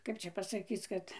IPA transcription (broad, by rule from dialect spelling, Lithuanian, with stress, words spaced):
ˈkɐp t͡ʃʲɛ pɐsɐˈkʲiːt͡s ˈkɐt